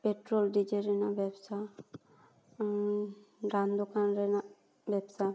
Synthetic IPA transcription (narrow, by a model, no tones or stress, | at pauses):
peʈɾolɖid͡ʒeɾɛnabɛbsa | ɖand̪ɔkʰanɾɛna | bɛbsa